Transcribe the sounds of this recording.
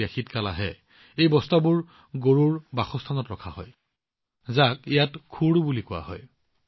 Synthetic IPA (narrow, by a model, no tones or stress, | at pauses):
axitkala̰ɦɛ̰ | ejbɔstabʊɹ | ɡoɹuɹbaxɔstʰanɔtɹɔkʰaɦɔ̰j | zakijatkʰuɹubulikʊwa̰ɦɔ̰j